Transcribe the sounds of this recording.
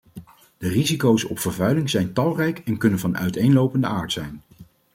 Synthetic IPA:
d̥ərizikowsɔ̰pfəɹvœɥlɪŋzɛjntɑlˠrɛjkɛnkɵnənvɑnœ̰ɥtejnlowpəndəaːɹtsɛjn

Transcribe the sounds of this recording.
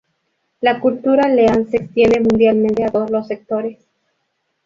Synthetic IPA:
lakult̪uɾaleanse̞kst̪je̞nd̪emũnd̪jalment̪eat̪oðolo̞sːek̚t̪oɾe̞s

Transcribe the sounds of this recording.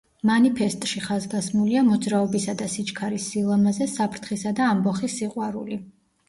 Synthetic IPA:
manipʰɛst̪ʼʃiχazɡasmuliamɔd̪zɾaɔbisad̪asit͡ʃʰʼkʰaɾisːilˠamazɛsapʰɾt̪ʰχisad̪aːmbɔχisːiqʼwaɾṵli

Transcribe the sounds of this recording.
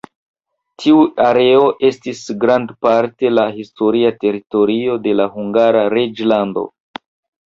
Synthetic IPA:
tʰiuaɾe̞o̞ʔe̞stisɡɾandpaɾte̞laɦisto̞ɾiate̞ɾito̞ɾio̞de̞lahuŋɡaɾaɾed͡ʒlando̞̰

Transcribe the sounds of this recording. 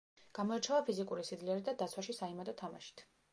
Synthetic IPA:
ɡ̥amɔɛɾt͡ʃʰɛvapʰizikʼuɾisid̪liɛɾid̪ad̪at̪sʰwaʃisaimad̪ɔt̪ʰama̰ʃi̥t̪ʰ

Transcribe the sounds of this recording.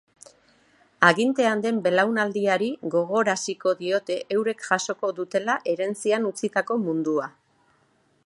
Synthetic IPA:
aɣint̪e̞and̪e̞mbe̞lawnald̪iaɾiɣo̞ɣ̞o̞ɾasiko̞ðio̞t̪e̞ʔewɾe̞kʝaso̞ko̞ðut̪e̞laʔe̞ɾe̞nt͡sianut͡sit̪ako̞mund̪ua

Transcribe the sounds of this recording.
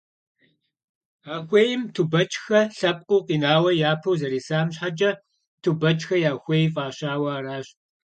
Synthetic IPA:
aːxʷejɪmtʰubɐt͡ʃʼxɐɬɐp̚ʼqʼʊːqʼiːnaːwɐjaːpʰɐwzɐɾiːsaːmɕħad͡ʒʼɐ | tʰubɐt͡ʃʼxɐjaːxʷejfʼaːɕaːwɐaːɾaːɕ

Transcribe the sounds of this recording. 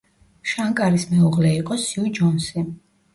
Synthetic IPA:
ʃaŋkʼaɾismɛuʁlɛiqʼɔsiud͡ʒɔnsi

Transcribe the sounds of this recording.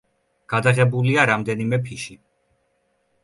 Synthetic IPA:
ɡ̥ad̪aʁɛbuliaɾamd̪ɛnimɛpʰiʃi

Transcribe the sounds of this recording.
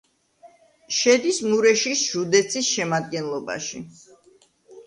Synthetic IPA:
ʃɛd̪ismuɾɛʃisʒ̥ud̪ɛt̪sʰisʃɛmad̪̚ɡɛnlˠɔba̰ʃḭ

